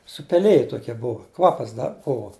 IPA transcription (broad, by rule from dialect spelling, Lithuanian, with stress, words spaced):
sʊpʲɛˈlʲɪjɛ toːˈkʲiɛ ˈbʊʋoː ˈkʋɑːpɐs ˈdɐ ˈbʊʋoː